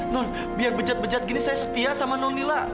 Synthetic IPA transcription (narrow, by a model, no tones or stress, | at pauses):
nɔn | biarbəd͡ʒat̪̚bəd͡ʒat̪̚ɡinisajasət̪iasamanɔnnila